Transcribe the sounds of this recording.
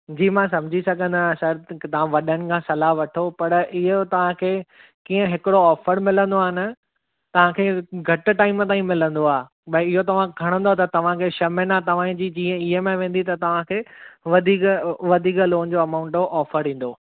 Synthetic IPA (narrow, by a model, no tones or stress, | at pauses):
d͡ʑiːmãsɐ̃md͡ʑʱisɐɡʱə̃nd̪asɐɾt̪ɐʋ̤ãʋɐɗəɽ̃ɪ̆kʰãːsɐlaɦʋɐʈʰopɐɾɪɦot̪ɐʋ̤ãkʰeː | kiːə̃ɦɪkɪɽoɔːfəɾmɪlə̃nd̪oaːɦɪnɪ̆ | t̪ɐʋ̤ãkʰeːɡʱɐʈ̆ʈaːɪmt̪aːĩmɪlə̃nd̪oaː | ɓɐɪɪɦot̪ɐʋ̤ãɡʱɐɽ̃nd̪oat̪ɐt̪ɐʋ̤ãkʰeːʃɐmenat̪ɐʋ̤ãːĩd͡ʑiːd͡ʑiːə̃ɪɦəmẽʋẽːnd̪it̪ɐt̪ɐʋ̤ãkʰeːʋɐd̪ʱiːkʋɐd̪ʱiːkloːnd͡ʑoːɐmaːʊ̃ɳʈoʔɔːfəɾĩːn̆d̪oː